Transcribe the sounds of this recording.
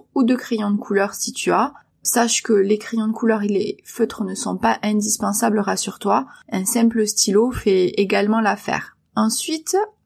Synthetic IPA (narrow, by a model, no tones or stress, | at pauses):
ud̪əkχejɔ̃d̪əkʰulœʁsit̪ya | saʃkəlekχejɔ̃d̪əkulœʁelḛføt̪χənəsɔ̃paʔɛ̃d̪ispɑ̃sabləʁasyʁt̪waɛ̃sɛ̃pləst̪ʰilofɛeɡalmɑ̃lafɛ̰ːʁ | ɑ̃sɥit̪